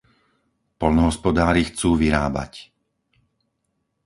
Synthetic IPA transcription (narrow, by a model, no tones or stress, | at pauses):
pɔlnɔɦɔspɔd̪aːɾixt͡suːʋiɾa̰ːba̰c